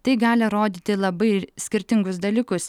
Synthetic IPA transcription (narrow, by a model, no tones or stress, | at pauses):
t̪ɐɪɡɑːlʲɪɐɾoːd̪ʲiːt̪ʲɪlˠɐbɐɪsʲkʲɪɾʲt̪ʲɪŋɡʊs̬d̪ɐlʲiːkʊs